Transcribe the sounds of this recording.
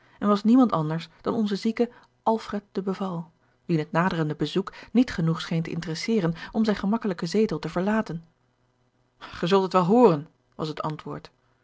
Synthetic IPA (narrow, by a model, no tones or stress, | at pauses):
ɛnʋɑsnimɑntɑndəɹsd̥ɑnɔnzəzikə | ʔɑlˠfrɛt̚d̥əbəvɑlˠ | ʋinɦət̚naːdərəndəbəzuknitχənuχsχejntəʔɪ̰ntərɛsɪːrənɔmzɛjnχəmɑkələkəzejtəlˠtəvəɹlaːtən | χəzɵlˠtətʋɛlˠɦoːrən | ʋɑ̰sɦətɑ̰ntʋʊ̰ːɹt